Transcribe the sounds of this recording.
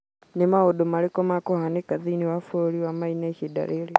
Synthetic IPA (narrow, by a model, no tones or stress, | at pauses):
nemaodomaɾekɔmakohanekaðiniwafoɾiwamainaʃida̰ɾʔeɾe